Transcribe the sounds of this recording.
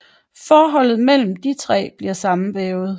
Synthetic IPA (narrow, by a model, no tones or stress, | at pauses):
fɒːɦɒ̽l̰ð̩ˠmel̰m̩d̥it͡sʰʁɛ̰ːb̥liɐsɑ̈m̩ʋɛːʊð̞̩ˠ